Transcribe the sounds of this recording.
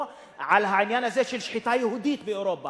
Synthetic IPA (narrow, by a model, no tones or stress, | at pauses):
ʕalɦaʕɪnjaːnazeːʃɪlʃħɪt̪aːjhud̪iːt̪̚biʔoɾoːbːa